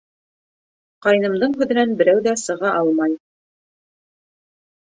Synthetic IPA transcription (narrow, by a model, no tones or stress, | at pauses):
qɑjnɤ̆md̪ɤɴɦʉ̆ðɘ̆nænbɘ̆ɾæwðæsɤ̆ʁɑʔɑlˠmɑj